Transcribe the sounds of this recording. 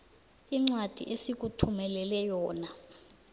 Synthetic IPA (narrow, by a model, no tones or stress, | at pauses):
iŋ͡ǀwad̥ʱḭʔesik̬utʰumɛlɛlɛjɔːna